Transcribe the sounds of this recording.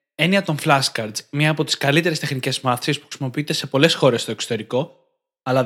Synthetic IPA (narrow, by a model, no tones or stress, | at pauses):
e̞niɐt̪o̞ɱflɐskɐɾd̪zmɲɐːpo̞t̪i̥skɐlit̪e̞ɾe̞st̪e̞xnice̞zmɐθsispu̥xɾisimo̞piit̪e̞se̞po̞le̞sxo̞ɾe̞st̪oekso̥t̪e̞ɾiko̞ | ɐlɐ